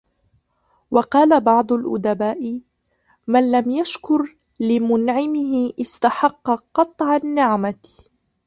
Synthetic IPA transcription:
wɑqɑːlabɑʕd̪ˤʊlʔʊ̰d̪abaːʔɪ | manlamjaʃkʊɾ | lɪmʊnʕɪmɪɦɪʔɪst̪aħɑqːɑqɑt̪ˤʕanːɪʕma

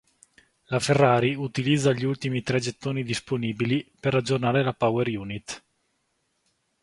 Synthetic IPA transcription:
laferːaːɾiut̪ilid̪zːaʎiult̪imit̪ɾɛd͡ʒet̪ːoːnid̪isponiːbiliperad͡ʒːornaːɾelapaweɾjuːnit̪ː

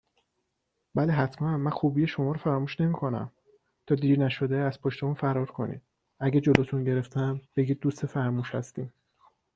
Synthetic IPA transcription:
bæleɦæt̪ʰmænmænxuːbijeʃo̞mɒːɾofæɾɒːmuːʃne̞miːkʰo̞næ̰m | t̪ʰɒːd̪iːɾnæʃo̞d̪eæzpʰoʃt̪e̞munfæɾɒːɾkʰo̞nḭːd̪̥̚ | æɟed͡ʒo̞loːt̪ʰunɟe̞ɾe̞ft̪ʰæmb̥eɟiːd̪̚ːust̪efæɾmuːʃhæst̪iːm

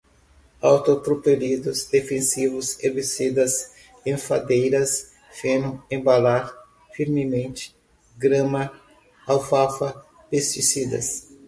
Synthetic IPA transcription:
awt̪ot̪ɾopelid̪ʊzd̪efẽsivʊzebesid̪ɐs | ẽfad̪ejɾɐs | fẽnɐ̃ẽbalaɾ | fiɾmɪmẽnt͡ʃɪ̥ | ɡɾɐ̃mɐ | awfafɐ | pest͡ʃisid̪ɐ̰s

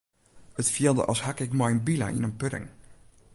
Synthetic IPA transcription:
ətfiəlˠdə̰ʔɔ̰shakɪkmɔjnbila̰ʔḭnənpøɾɪ̰ŋ

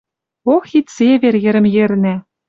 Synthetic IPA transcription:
oxit̪ʲseβeɾjɘ̆ɾɘ̆mjĕrnʲæ

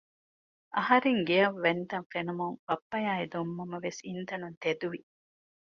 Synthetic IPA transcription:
ʔɐɦɐɾeŋɡeɐʋːent̪ɐnfenumuŋb̥ɐpːɐjaːid̪omːɐmɐʋesint̪ɐnunt̪ed̪uʋi

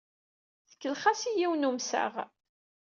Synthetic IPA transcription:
θə̥kːəlχasijiwnumsæ̰ʁ

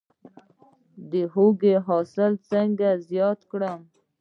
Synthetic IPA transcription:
d̪əhoɡeɦɑsɪlt͡səŋɡazjɑt̪kɽəm

